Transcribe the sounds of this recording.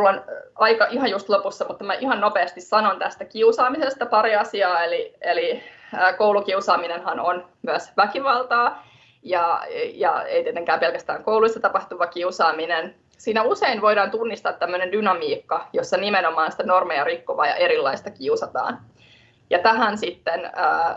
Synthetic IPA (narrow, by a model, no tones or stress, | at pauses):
mulːonɑikɑʔiɦɑnjust̪lopusːɑmut̪ːɑmæʔihɑnnopeːst̪issɑnont̪æst̪ækiusɑːmisest̪ɑpɑɾiɑsiɑːelieliːkowlukiusɑːminenhɑnonmyæsʋækiʋɑlˠt̪ɑː | jɑjɑ̰ḛit̪iet̪eŋkæːmpelkæst̪æːŋkouluist̪ːɑt̪ɑpɑht̪uʋɑkiusɑːminen | siːnæuseinʋo̞ijɾɑːnt̪unːist̪ɑːt̪ːæmːønendynɑmiːkːɑjosːɑnimenomɑːnsi̥t̪ænormeɑrikːoʋɑ̰ːjɑ̰ʔeɾilːɑist̪ɑkiusɑt̪ɑ̰ːn | jɑt̪æɦænsit̪ːenəː